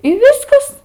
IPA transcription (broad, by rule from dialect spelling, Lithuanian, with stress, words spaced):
ɪ ˈʋʲɪskɐs